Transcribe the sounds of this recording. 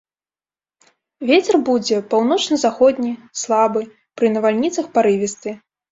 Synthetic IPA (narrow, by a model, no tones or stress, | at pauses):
vʲet͡sʲɛrbud͡zʲɛpawnɔt͡ʂnɐzaxɔd̪ʲnʲislˠabɨ | pɾɨnɐvalʲnʲit̪sɐxpaɾɨvʲist̪ɨ